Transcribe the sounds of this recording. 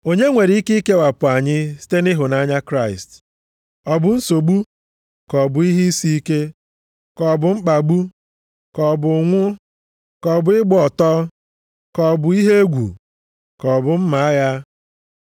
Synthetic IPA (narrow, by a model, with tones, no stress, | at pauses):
o˦ɲe˦ŋʷe˨ɾi˨˦i˦ke˦ke˦wa˨pʊ˨a˨ɲɪ˦si̥˦te˦nɪ˦ɦʊ˨na˦ɲa˦kɾa˦˨ɪ˨st | ɔ˨bʊ˨n̩˦so˨ɡ͡bu˦ | kɔ˨bʊ˨i˦ɦi˦si˦i˦ke˦ | kɔ˨bʊ˨ŋ͡m̩˦k͡pa˨ɡ͡bu˦ | kɔ˨bʊ˨ŋʷʊ˦ | kɔ˨bʊ˨ɪ˦ɡ͡bɔ˨tɔ˦ | kɔ˨bʊ˨i˦ɦe˦e˦ɡʷṵ˨ | kɔ˨bʊ˨m̩˦ma˨a˦ja˦